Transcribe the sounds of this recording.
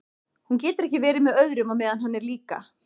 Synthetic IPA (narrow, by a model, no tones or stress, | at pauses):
huncɛːt̪ɪɾɛhcɪvɛːɾɪmɛðœɥðɾʏmamɛːðanɦanːɛɾliːka̰